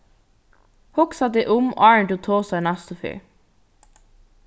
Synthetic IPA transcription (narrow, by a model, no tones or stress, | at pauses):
hɔksɑt̪əʔʊm̰ɑɹɳʈʊt̪ʰoːsɑnɑst̪ʊfy̰ː